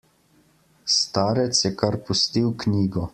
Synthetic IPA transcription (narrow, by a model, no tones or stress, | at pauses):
st̪aːɾɛt̪sjɛkaɾpust̪iwknʲiːɡɔ